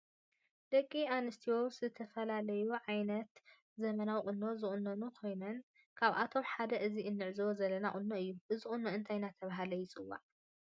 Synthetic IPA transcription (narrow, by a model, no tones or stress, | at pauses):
d̪̥ɐkʼːianɨst̪ʰiwozɨt̪ʰɐfɐlalɐjuʕajnɐt̪ | zɐmɐnawχʼɨnːo̞zɨχʼʊnːonukʰo̞jnɐn | kʰaβʔa̰t̪ʰo̞mħad̪ɐʔɨziɨnːɨʕzwozɐlɐnaχʼʊnːoɨjːuʔɨziχʼʊnːoɨnt̪ʰajnat̪ʰɐβaɦalɐjɪt͡sʼɨwa̰ʕ